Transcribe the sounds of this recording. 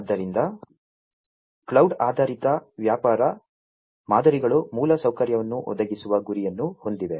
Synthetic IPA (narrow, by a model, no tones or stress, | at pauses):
ɐd̪ːɐɾind̪ɐ | kɭɐwɖaːd̪ʱaːɾit̪ɐʋjaːpaːɾɐ | maːd̪ʱɐɾiɡɐɭumuːlɐsɐwkɐɾjɐʋɐnːuʔɔ̰d̪ɐɡisuʋɐɡuɾijɐnːuho̞nd̪iʋe̞